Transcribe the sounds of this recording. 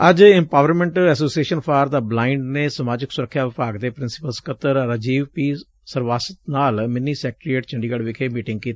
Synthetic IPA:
əd͡ʒɪmpaːʋəɾmɛ̃ɳʈɛsoːsieːʃənpʰaːɾd̪aːblaːɪɳɖneːsəmaːd͡ʒɪksʊɾəkʰːjaːʋɪpaːɡd̪eːpɾɪnsɪ̥pəlskʰət̪əɾɾəd͡ʒiːʋpiː | səɾʋaːsət̪naːlmɪnːiːsɛːk̚ʈɾieːʈt͡ʃəɳɖiːɡəɽʋɪkʰeːmiːʈɪ̃ŋɡ̚kiːt̪aː

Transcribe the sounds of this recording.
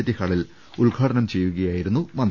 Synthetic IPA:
ɐt̪ːikaːɭil | uɭɡʱaːʈɐnɐmt͡ɕe̞jːuɣɐjaːjiɾunːumɐnd̪

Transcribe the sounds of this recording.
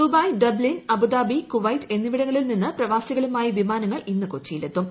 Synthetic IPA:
dubɐːjɖɐblinɐbud̪aːbikuʋɐjte̞nːiʋiɽɐŋːɐɭilninːɨprɐʋaːsjɐɣɐɭumaːjiʋimaːnɐŋːɐɭinːɨkot͡ɕːijilet̪ːum

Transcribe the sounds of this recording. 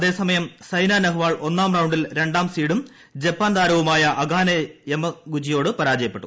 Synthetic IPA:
ɐðe̞ːsɐmɐjɐmsɐjnaːnɐɦuʋaːɭo̞nːaːmrɐwɳɖilɾe̞ɳɖaːmsiːɽum | d͡ʑepːaːnd̪aːɾɐʋumaːjɐʔɐɡʱaːnɐjemɐɡud͡ʑijo̞ːɽɨpɐɾaːd͡ʑɐjɐpːe̞ʈːu

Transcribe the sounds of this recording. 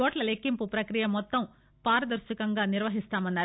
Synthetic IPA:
oːʈlɐlekːimpupɾɐkɾijɐmːɔt̪ːɐm | paːɾɐd̪ɐɾʃɐkɐŋɡaːnɪɾʋɐɦist̪aːmɐnːaːɾ

